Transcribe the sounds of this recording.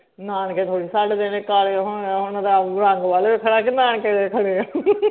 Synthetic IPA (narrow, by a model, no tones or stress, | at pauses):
naːnket̪ʰoːɽiːsaʈd̪enekaːɾɦʊnːɦʊnd̪aɾãːŋɡʋaːleːbikʰəɽaːkɪnãːnkeekʰəɽe